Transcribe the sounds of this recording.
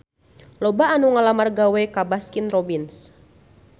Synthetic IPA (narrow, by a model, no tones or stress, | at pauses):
lɔbaːnuŋalamarɡawɛkabaskinrɔbins